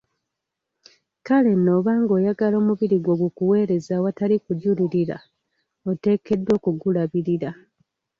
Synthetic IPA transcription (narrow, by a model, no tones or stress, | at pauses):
kale̞no̞ːβaːŋɡo̞ːjaɡalo̞ːmuβiɾiɡwo̞ːɡukuwe̞ːɾe̞zawatalikuɟuliɾiɾa̰ | ote̞ːke̞dwo̞ːkuɡulaβiɾiɾa